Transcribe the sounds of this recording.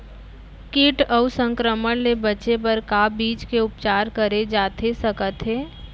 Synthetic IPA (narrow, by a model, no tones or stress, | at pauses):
kɪʈəsə̃ŋkɾəməɽlebɐt͡ʃep̬əɾkabiːt͡ʃkeʊpt͡ʃaːɾkəɾed͡ʒaːt̪ʰesɐkət̪ɦɛː